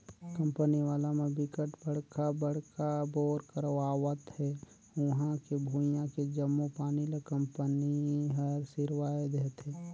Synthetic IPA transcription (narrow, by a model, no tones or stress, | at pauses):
kə̃mpəniʋaːlamẽbɪkəʈbəɽ̤kabəɽ̤kabɔːɾkəɾʋaːwət̪ɦɛː | wʊɦãkebʱuːijãked͡ʒəmːupaːnilekə̃mpəniɦəɾsɪɾwaːed̪eːt̪ɦɛː